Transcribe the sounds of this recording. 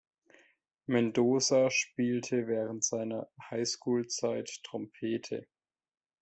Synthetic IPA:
mɛndoːzaʃpiːltʰəvɛːʁəntz̥aɪnɐhaɪskuːlt͡saɪtːʰʁ̥ɔmpʰeːtʰə̰

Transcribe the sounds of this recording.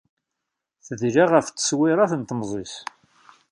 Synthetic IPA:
θəðʒaʁəft͡sːə̥swɪɾˤɑθənt̪mzˤis

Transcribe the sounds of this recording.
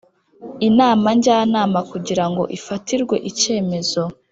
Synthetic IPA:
inaːmaɲɟaːnaːmakuɟiɾaŋɡo̞̰ʔifatiɾɡwe̞̰ʔice̞ːme̞zo̞

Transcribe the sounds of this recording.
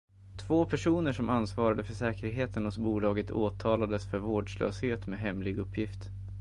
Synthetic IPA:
t̪ʰvoːpʰæʂuːnəʂɔmansvɑːɾad̪əfœʂɛːkəɾɦeːt̪ənhʊsbuːlɑːɡət̪ʰo̰ːt̪ʰɑːlad̪əsfœɾvoːɖʂlø̰ːsheːt̪meɦɛmlɪɡɵpʰːjɪft̪

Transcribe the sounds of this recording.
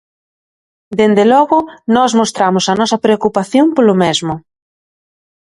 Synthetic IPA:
d̪end̪elɔɣʊnɔzmost̪ɾamʊsɐnɔsɐpɾeokupaθjompolʊmezmʊ

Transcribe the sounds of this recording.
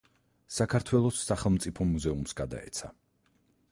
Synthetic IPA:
sakʰaɾt̪ʰwɛlˠɔsːaχɛlˠmt̪sʼipʰɔmuzɛumsɡad̪a̰ɛ̰t̪sʰa̰

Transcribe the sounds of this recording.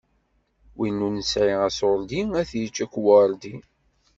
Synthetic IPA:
winːunəsʕiʁæsoɾd̪iæθjət͡ʃːækʷwəɾˤd̪i

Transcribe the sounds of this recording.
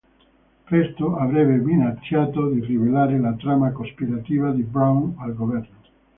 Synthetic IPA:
pɾɛst̪oavɾɛbːeminat͡ʃːjaːt̪od̪irivelaːɾelat̪ɾamakospiɾat̪iːvad̪ibɾawnalɡovɛrno

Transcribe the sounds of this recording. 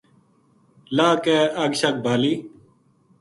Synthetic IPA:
laːkɛːɐɡɕɐk̚bʱaːliː

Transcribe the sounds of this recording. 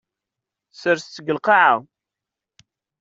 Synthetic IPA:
səɾst͡sːəɡəlqɑʕaw

